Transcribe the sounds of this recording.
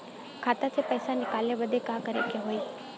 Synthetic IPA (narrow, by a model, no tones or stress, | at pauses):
kʰaːt̪asepəːsanɪkaːlebəd̪ʱekãːkəɾḛkeɦoːiː